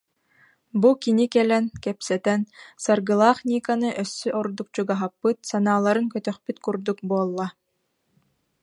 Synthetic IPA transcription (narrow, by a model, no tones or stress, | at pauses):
bukinikɛlɛnkɛpsɛt̪ɛnsaɾɡɯlˠaːχnʲiːkanɯʔœsːyʔɔɾd̪uk̚t͡ɕuɡaɦapːɯt̪̚sanaːlˠaɾɯŋkœt̪œχpyt̪kuɾd̪uk̚buɔlˠːa